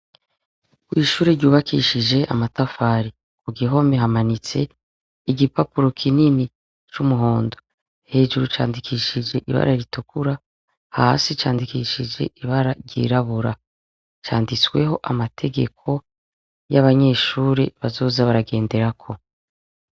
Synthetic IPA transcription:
kwiːʃuːɾeɾɟuːβakʰiʃid͡ʒe̞ʔa̰matafaːɾi | kuɡiɦo̞meɦamanit͡se̞ | iɡipapuɾo̞kʰinini | t͡ʃumuɦo̞ːndo | he̞ːʒuɾut͡ʃa̰ːndikʰiʃid͡ʒe̞ʔiβa̰ɾaɾitukʰuɾa | ha̰sit͡ʃaːndikiʃid͡ʒe̞̰ʔiβaɾaɾɟḭɾaβuɾa | t͡ʃa̰ːndit͡swe̞̰ɦo̞ʔamatʰe̞ɡe̞̰kʰo̞ | jaβaɲe̞ːʃuːɾeβazo̞ːzaβaɾaɡe̞ːnde̞ɾakʰo̞

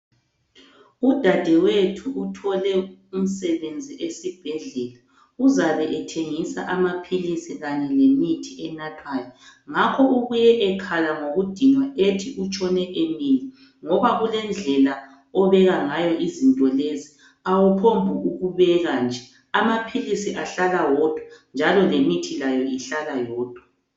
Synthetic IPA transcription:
ud̥ʱad̥ʱɛwetʰuːtʰɔlɛum̩sɛβend͡zʱiʔesib̥ʱɛɮɛla | uzaβɛʔɛtʰeŋisa̰ʔamapʰilisiɣaɲɛlemitʰiɛnatʰwajɔŋakʰɔuɣujɛʔɛkʰalaŋoɣud̥ʱiŋwaʔetʰiʔut͡ʃʼɔnɛʔemili | ŋɔβaɣulɛnd͡ɮʱɛla | ɔβɛɣaŋajɔʔizintʼɔlezi | awupʰombʱuuɣuβɛɣand͡ʒʱɛ | amapʰilisiʔaɬalawɔd̥ʱwand͡ʒʱalɔlemitʰilajɔiɬalajɔːd̥ʱwa

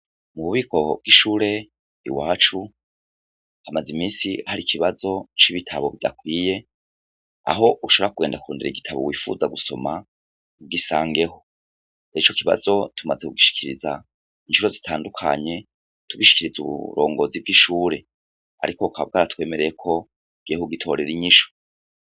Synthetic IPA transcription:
muβuβikʰo̞b̚ɡiʃuːɾe̞ | ḭwaːt͡ʃu | hamazimiːsihaɾikʰiβazo̞t͡ʃiβitʰaβo̞βida̰kwiːje̞ | a̰ɦo̞ʔuʃoβɾakuɡe̞ːndakuɾoːndeɾeiɡitʰaβo̰wiːfṵzaɡuso̞ma | uɡisaːŋɡe̞ho̞ | nait͡ʃokiβa̰zo̞tʰumazekuɡiʃi̥kiɾiza̰ | inʃuɾo̞zitʰaːndukʰa̰ɲe̞ | tuβiʃi̥kiɾizṵβṵɾo̞̰ːŋɡo̞zib̚ɡiʃuːɾe̞ | a̰ɾikokaβ̚ɡaɾatwe̞ːme̞ɾejekʰo̞ | ɡ̥ehuɡitʰo̞ɾe̞ɾiɲiʃo̥

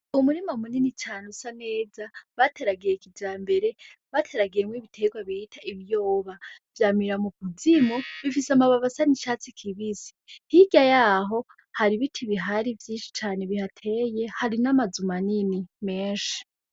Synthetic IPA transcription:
umuɾimamuninit͡ʃaːnusane̞ːzaβatʰe̞ɾaɡiɾekid͡ʒaːmbe̞ɾe̞βatʰe̞ɾaɡijemwiβitʰe̞ɡwaβiitʰaiβijoːβavjaːmiɾamukʰuzimuβifisamaβaβasaniʃat͡sikʰiβisi̥hiɡ̥jajaɦo̞ | haɾiβitʰiβiɦaɾivjiːnʃi̥t͡ʃaːne̞βihatʰe̞je̞haɾinamazumaninime̞ːnʃi̥

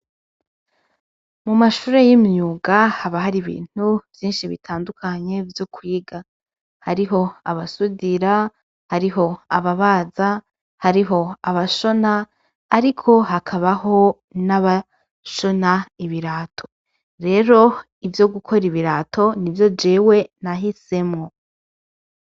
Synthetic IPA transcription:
mumaʃuːɾe̞jimɲuːɡahaβaɦaɾiβḭːn̥uv̥jiːnʃiβḭtʰaːndukʰaɲe̞vjo̞kwiːɡa | haɾiɦo̞a̰βasudiɾa | haɾiɦo̞aβaβaːza | haɾiɦo̞aβaʃo̞naː | ɾikʰo̞ɦakʰaβaho̞ | naβa | ʃo̞naiβiɾaːtʰo̞ | ɾe̞ːɾo̞ | ivjo̞ɡukʰo̞ɾiβiɾatʰo̞nivjo̞d͡ʒeːwe̞naɦise̞mŋo̞

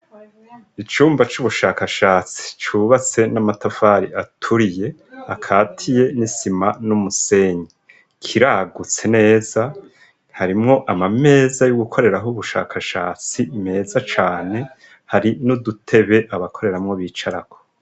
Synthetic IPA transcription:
it͡ʃuːmbat͡ʃuβuʃaːkaʃaːt͡si̥t͡ʃuːβat͡se̞namatafaːɾiʔatʰuɾije̞akʰaːtʰije̞nisimanumuse̞ɲi | kʰiɾaːɡut͡se̞ne̞ːz̥a | haɾimŋo̞ʔamame̞ːzajuɡukʰo̞ɾe̞ɾaɦoβuʃa̰ːkʰaʃa̰ːt͡sime̞ːzat͡ʃaːne | haɾinudutʰe̞βe̞ʔaβakʰo̞ɾe̞ɾamŋo̞βiːt͡ʃaɾako

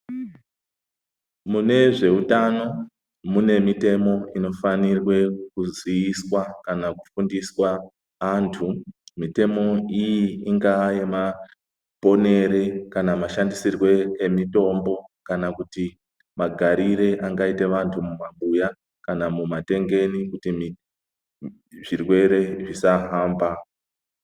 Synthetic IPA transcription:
mune̞ʐe̞utano̞ | mune̞mite̞mo̞ino̞fanirwe̞kuzwiiswakanakufundiswa | antʰumite̞mo̞ijiːŋɡaje̞ma | po̞ne̞ɾe̞kanamaʃandisirwe̞ːmito̞mbo̞kanakuti | maɡʱaɾiɾe̞ʔaŋɡaite̞ʋantʰumumaŋɓuja | kanamumate̞ŋɡe̞nikutimi | ʐirwe̞ɾe̞ʐisaɦaːmba

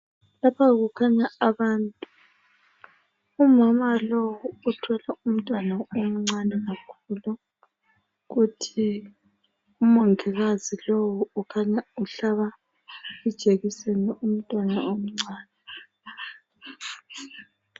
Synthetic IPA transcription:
lapʰaɣukʰaɲaaβaːntʼu | umamalowuːtʰɛlaum̩tʼwanaom̩ŋ͡ǀanɛɣakʰuːlu | ɣutʰi | umoŋiɣazilowuukʰaɲauɬaβa | ud̥ʒ̥ʼʱeɣisɛnɛʔum̩tʼwanaom̩ŋ͡ǀaːnɛ

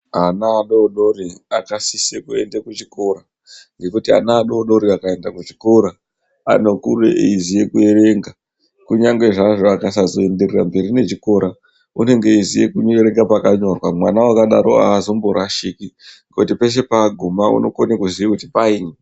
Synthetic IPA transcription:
anaːɗoɗo̞ɾiakasisekue̞̰ndekut͡ʃiko̞ɾa | ŋɡe̞kutia̰naːɗo̞ɗo̞ɾiakae̞ndakut͡ʃikoɾa | a̰no̞kurḛizije̞kue̞ɾe̞ŋɡa | kuɲaŋɡwe̞ʐaʐoakas̬azo̞e̞nde̞rera̰mbe̞ɾine̞t͡ʃiko̞ɾʔa | une̞ŋɡe̞izije̞kuɲoeɾe̞ŋɡapakaɲo̞rwamwanawakaɗaɾo̞a̰ːzo̞mboɾaʃikiŋɡutipe̞s̬e̞paɡʱumaṵno̞konekuziikutipaiːne

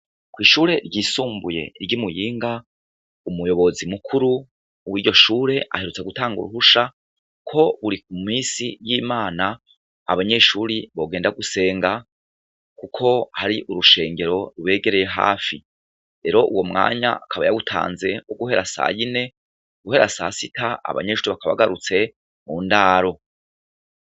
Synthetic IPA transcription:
kwiːʃuːɾe̞ɾɟiːsuːmbuje̞̰ɾɟimujiːŋɡa | umujo̞βo̞zimukʰuɾuː | wiːɟo̞ʃuːɾe̞ʔa̰he̞ɾut͡se̞ɡutaːŋɡṵɾuɦuʃa | kʰo̞βuɾik̚umisijiːmaːna | a̰βaɲe̞ʃuɾiβo̞ɡe̞ːndaɡuse̞ːŋɡa | kukʰo̞haɾiʔuɾuʃe̞ːŋɡe̞ɾo̞ɾuβe̞ːɡe̞ɾe̞je̞ɦa̰ːfi | ɾe̞ɾo̞ʔuwo̞mŋa̰ːɲa̰akʰaβajaɡutʰa̰ːnze̞oɡuhe̞ɾasa̰jine̞ | ɡuhe̞ɾasa̰sitaa̰βa̰ɲe̞ʃuːɾiβakaβa̰ɡaɾut͡se̞ | muːndaːɾo̞

